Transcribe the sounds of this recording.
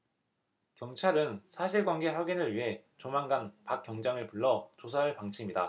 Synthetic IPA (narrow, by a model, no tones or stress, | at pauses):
kjʌŋt͡ɕʰaɾɯnsʰaɕʰiɭɡwanɡe̞ɸjʌɡinɯɭɥiɦe̞t͡ɕomanɡanpak͈jʌŋd͡ʑaŋɯɭpuɭːʌt͡ɕosʰaɯɭpaŋt͡ɕʰimɲida